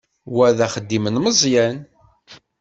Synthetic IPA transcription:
wæðæχəd̪ːimənməzˤjæn

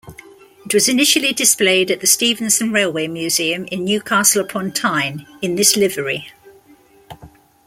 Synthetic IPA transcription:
ɪʔwɒzɪnɪʃəlidɪspleɪdəʔðəstiːvə̃nsə̃nɹeɪlˠweɪmjʉːz̥iːə̃mɪ̃nːjʉːkʰɑˑsələpʰɒ̃ntʰãɪ̃nɪ̃nðɪslɪvəɹi

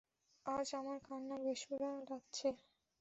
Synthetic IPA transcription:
ad͡ʑamaɾkʰanːabeʃuɾaɾatːɕʰe

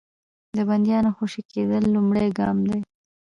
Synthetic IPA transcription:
d̪əband̪jɑnoxoʃiked̪əlːumɽejɡɑmd̪e

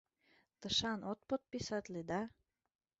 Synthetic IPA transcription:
t̪ə̆ʃɑnot̪̚pot̪̚pisat̪ʲlid̪a

